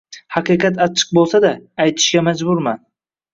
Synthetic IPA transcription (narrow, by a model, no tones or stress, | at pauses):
hɑqɨqɑt̪at͡ʃʰːɨ̥q̚bolˠsad̪aːjt̪ʰɪ̥ʃɡʲamad͡ʒbʊɾman